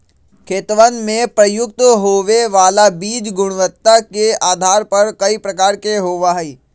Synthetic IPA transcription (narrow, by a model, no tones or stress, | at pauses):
kʰeːt̪ʋənmẽpɾɐjʊk̚t̪ɦoːʋeʋaːlabiːd͡ʒɡʊɽ̃ʋət̪ːakeaːd̪ʱaːɾpɐɾkɐipɾɐkaːɾkeɦoːʋaɦiː